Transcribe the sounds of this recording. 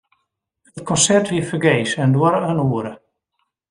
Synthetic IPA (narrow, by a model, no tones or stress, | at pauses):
ət̚kʰɔ̃nsɛɹthifəɡejsə̃ndwaɾəhənuːɾə